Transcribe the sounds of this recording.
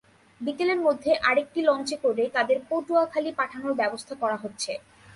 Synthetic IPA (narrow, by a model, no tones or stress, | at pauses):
bikeleɾmod̪ʱːeʔaɾek̚ʈilɔnt͡ɕekoɾet̪ad̪eɾpoʈuakʰalipaʈʰanoɾbɛbost̪ʰakɔɾaɦotːɕʰe